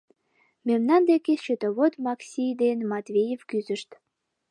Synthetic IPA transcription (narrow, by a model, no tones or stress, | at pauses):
memnɑnd̪ekeʃøt̪əβot̪mɑksʲijd̪enmɑt̪vʲejefkyzəʃt̪